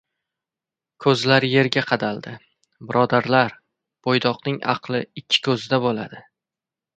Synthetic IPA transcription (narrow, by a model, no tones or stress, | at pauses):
kʰɵzlaɾje̞ɾɡʲaqʰɑd̪alˠd̪ɪ | bɪɾʔɒd̪aɾlaɾ | b̥ojd̪ɒqnɪŋɑ̰qlˠɪɪkʲʰːɪ̥kʰɵzɪd̪abolad̪ɪ